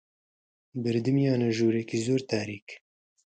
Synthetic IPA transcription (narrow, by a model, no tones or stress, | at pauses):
bɨɾd̪ɨmjaːnɐʒuːɾɛkizoːɾt̪aːɾiːk